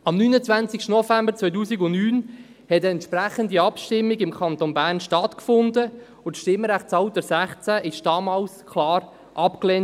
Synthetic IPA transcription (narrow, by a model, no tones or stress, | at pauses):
ɑmnyːnət͡svant͡sɪkʃtənɔfɛmbəɾt͡svœʏtuːsiɡʊnnyːn | hɛtəɛntʃpɾæχəndiɑpʃtɪmːiɡɪmkʰɑntonbæːɾnʃtɑtkfʊndə | ʊtʃtɪmːəɾæχtt͡sɑʊtəsæχt͡sæʔɪʃd̥ɑːmɑːlskʰlɑːɾ | ʔɑpklɛn